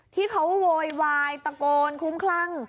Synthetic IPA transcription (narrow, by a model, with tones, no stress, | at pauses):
t̪ʰiː˥˩kʰa˦˥wwoː˧jwaː˧jt̪a˧koː˧nkʰu˦˥mkʰla˦˥˩ŋ